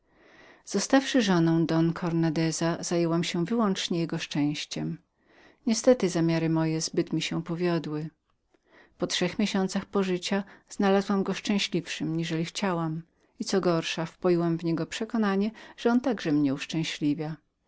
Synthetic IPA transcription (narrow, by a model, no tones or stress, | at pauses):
z̥ɔst̪afʂɘʐɔnɔ̃w̃d̪ɔnkʰɔɾnad̪ɛzaz̥ajɛwamɕɛvɘwɔnt͡ʂɲɛjɛɡɔʂt͡ʂɛ̃w̃ɕt͡ɕɛm | ɲɛst̪ɛt̪ɘzamʲjaɾɘmɔjɛzbɘt̪mʲiɕɛpɔvʲjɔd̪wɘ | pɔtʂɛxmʲjeɕɔnt̪saxpɔʐɘt͡ɕaz̥nalazwamɡɔʂt͡ʂɛ̃w̃ɕlʲifʂɘmɲiʐɛlʲixt͡ɕawam | it̪sɔɡɔɾʂafpɔjiwamvɲɛɡɔpʂɛkɔnaɲɛʐ̥ɛɔnt̪aɡʐɛmɲɛuʂt͡ʂɛ̃w̃ɕlʲivʲja